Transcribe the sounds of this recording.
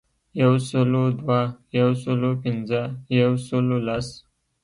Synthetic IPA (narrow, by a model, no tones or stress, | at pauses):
jawsəlod̪wajawsəlopɪnzəjawsəlolas